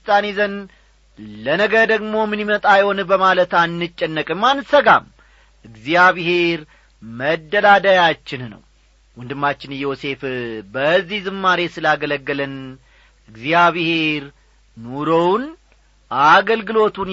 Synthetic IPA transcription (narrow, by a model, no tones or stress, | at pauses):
st̪ʼanezən | lənəɡəɾd̪əɡmo̞mɨnimət̪ʼajho̞nbəmalət̪anːɨt͡ʃʼːɛnːəkʼɨmːansəɡam | ʔɨɡzijaβhe̞ɾ | məd̪ːəlad̪ajat͡ʃːɪnnə̰w | wɔnd̪ɨmːat͡ʃːɪnjo̞se̞fbəzːihzɨmːaɾe̞sɨlaɡələɡːəlɨn | ɨɡzijaβhe̞ɾ | noɾown | ʔaɡəlɡɨlo̞t̪ʰun